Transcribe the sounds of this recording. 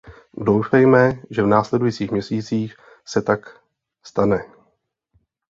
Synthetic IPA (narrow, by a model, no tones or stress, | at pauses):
dowfɛjmɛʒɛvnaːslɛdujit͡siːxmɲɛsiːt͡siːx | sɛt̪ak | st̪anɛ